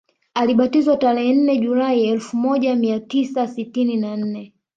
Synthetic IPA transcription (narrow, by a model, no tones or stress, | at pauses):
aliɓatizwataɾɛɦɛn̩nɛʄulaiɛlfumɔʄamiatisasitininan̩nɛ